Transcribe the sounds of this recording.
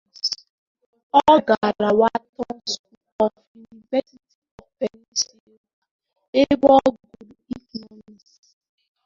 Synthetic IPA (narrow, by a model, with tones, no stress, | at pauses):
ɔ˦ɡa˨ɾa˨wa˦tɔ˦nsku˨lɔ˨fu˨ni˨vɛ˦si˦ti˨ɔ˨fpɛ˨ni˦se˦ɾa˨ | e˦bɔ˦ɡu˨ɾi˦knɔ˦mi˨si